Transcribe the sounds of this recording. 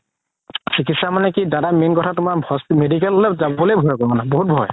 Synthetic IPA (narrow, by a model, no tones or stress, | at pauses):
sikitsamanɛkidadamenkɔtʰatʊmaɹbʱɔsmedik̬ɛlɛzaɔlojbʱɔjkɔɔnaboɦut̚bʱɔj